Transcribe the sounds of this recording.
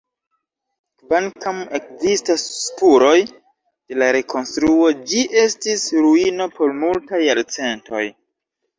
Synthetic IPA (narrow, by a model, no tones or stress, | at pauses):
vankame̞kzistasːkuɾo̞j | d̥e̞laɾe̞kʰo̞nstɾuo̞d͡ʒiʔe̞stisɾuino̞pʰo̞ɾmultajːaɾt͡se̞nto̞̰j